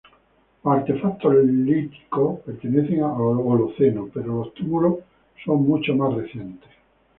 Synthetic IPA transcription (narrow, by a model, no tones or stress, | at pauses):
aɾt̪e̞fakt̪olit̪i̥kopeɾt̪eneθeŋaaoloθenopeɾolost̪umulo | so̞ŋmut͡ʃomasreθje̞nt̪es